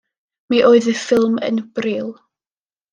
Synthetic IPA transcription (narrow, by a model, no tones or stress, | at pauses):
miʔoːɨðəfɪlˠmə̰nb̥riːlˠ